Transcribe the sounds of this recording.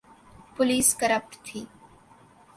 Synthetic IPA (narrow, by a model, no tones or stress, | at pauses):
pʊliːskəɾəp̚ʈt̪ʰiː